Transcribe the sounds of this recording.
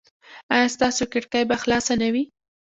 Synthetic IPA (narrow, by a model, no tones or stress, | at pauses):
ajɑst̪ɑsokɪʈkajbaxlɑsanawi